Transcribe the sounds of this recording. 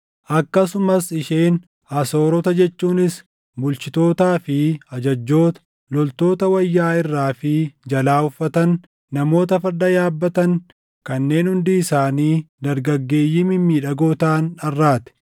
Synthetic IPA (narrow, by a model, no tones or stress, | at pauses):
ʔɐkːɐsʊmɐsɪʃeːn | ɐso̞ːɾɔt̪ɐd͡ʒɛt͡ʃːuːnɪs | bʊlt͡ʃɪt̪o̞ːt̪aːfɪɐd͡ʒɐd͡ʒːo̞ːt̪ɐ̥ | lɔlt̪o̞ːt̪ɐwɐjːaːɪrːaːfɪd͡ʒɐlaːʊfːɐt̪ɐnː | ɐmo̞ːt̪ɐfɐɾd̪ɐjaːbːɐt̪ɐŋ | kɐnːe̞ːnhʊnd̪ɪɪsaːniːd̪ɐɾɡɐɡːe̞ːjːɪmɪmːiːᶑɐɡo̞ːt̪aːnɐrːaːt̪ɛ̥